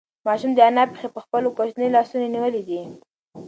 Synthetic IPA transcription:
mɑʃumd̪əanapexepəxpəlokoʃnəjlɑsunaniwəlid̪i

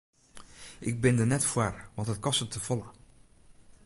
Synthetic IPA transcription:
ʔɪɡ̚bɪndənɛtfwarʋɑntɦət̚kɔstətʰəv̥ɔlə

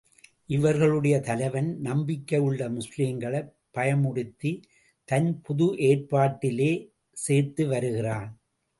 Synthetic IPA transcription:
ʔɪʋɐɾɣɐɭɯɽɐjɐt̪ɐlɐɪʋɐnnɐmbɪkːɐjɯɭːɐmʊsliːmɡɐɭɐɪpːɐjɐmʊɽɪt̪ːi | t̪ɐnpʊðʊʔeːrpaːʈːɪleː | seːɾt̪ɯʋɐɾɯɣɪraːn

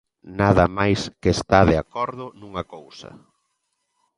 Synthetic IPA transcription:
naðɐmajskest̪aðeakɔɾðʊnuŋɐkowsɐ̰

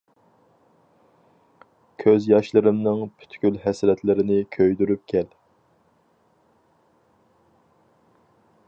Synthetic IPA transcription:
kʲʰøzjɑʃlˠɨɾɨmnɨŋpʰy̥t̪ʰkʲylɦɛsɾɛt̪lɪɾɪnɪkʲʰøjd̪yɾyp̚kʲʰɛl

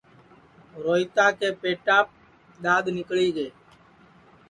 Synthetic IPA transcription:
ɾoːɪt̪ãːkeːpeːʈaːp̚ | ɗ̪ãːd̪nɪkɭiːɡeː

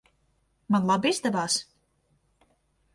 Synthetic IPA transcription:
manlˠabizd̪ɛvaːs

